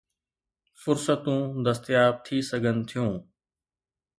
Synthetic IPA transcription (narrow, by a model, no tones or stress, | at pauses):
fʊɾsət̪ũːd̪əst̪ɪjaːb̚t̪ʰiːsəɡʱənt̪ʰijũː